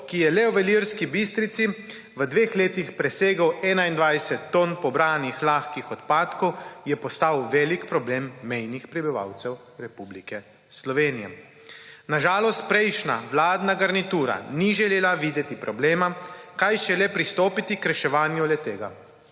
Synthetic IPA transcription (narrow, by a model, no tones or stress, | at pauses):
kijɛlɛɔʋɛliɾskibist̪ɾit̪si | ʋəd̪ʋeːxleːt̪ixpɾɛseːɡəwɛːnaind̪ʋajsɛt̪ːonpɔbɾaːnixlaːxkixɔt̪paːt̪kɔwjɛpɔst̪awʋɛːlikpɾɔbleːmːɛjnixpɾibiʋa̰wt̪sɛw | ɾɛpublikɛ | slɔʋeːnijɛ̰ | naʒaːlɔst̪̚pɾɛjʃna̰wlaːd̪naɡaɾnit̪uːɾa̰niʒɛleːlaʋiːd̪ɛt̪ipɾɔbleːmakajʃɛlɛpɾist̪oːpit̪ikɾɛʃɛʋaːnjulɛt̪eːɡa